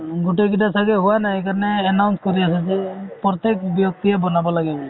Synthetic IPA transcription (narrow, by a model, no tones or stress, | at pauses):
ɡoʈekitasaɡɛɦuwanaekaɾɔnɛːnawnskɔɾiasɛzɛpɔt̪ek̚bjɔk̚t̪iɛbɔnabɔlaɡɛbɔ